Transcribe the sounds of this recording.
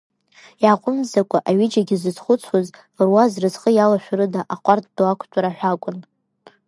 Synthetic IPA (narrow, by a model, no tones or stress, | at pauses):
jaːqʷʼʊmzakʷʼaʔaɥɪd͡ʒaɡʲɪzɨzχʷʊt͡sʰwazlɨrwazrɨzχəjalaʃᶣɾɨdaʔaqʷʼart̚ʰʼdakʷʰtʼaɾaħʷᶣakʷʼʊn